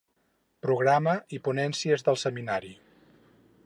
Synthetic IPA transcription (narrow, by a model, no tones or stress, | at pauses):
pɾuɣ̞ɾaməʔipunɛnsiəzðəlˠsəminaɾi